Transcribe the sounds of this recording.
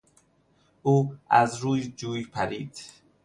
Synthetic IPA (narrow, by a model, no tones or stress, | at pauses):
ʔuːæzɾuːjd͡ʒuːjpʰæɾiːd̪̥